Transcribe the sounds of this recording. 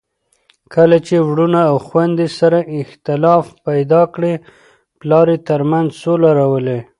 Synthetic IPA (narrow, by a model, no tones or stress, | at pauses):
kəlat͡ʃewɽunaːwxwand̪esaɾaɪxt̪ɪlɑfpajd̪ɑkɽe | plɑɾet̪əɾmanzsolaɾawəle